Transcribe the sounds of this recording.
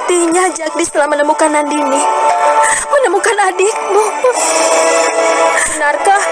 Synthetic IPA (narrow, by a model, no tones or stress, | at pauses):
t̪iɲad͡ʒak̚disə̥t̪əlahmənəmukanandini | mənəmukanadɪk̚bɔ | bənərkah